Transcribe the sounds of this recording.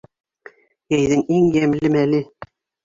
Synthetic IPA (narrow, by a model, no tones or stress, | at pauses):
jæjðɘŋiŋjæmlɘmælɘ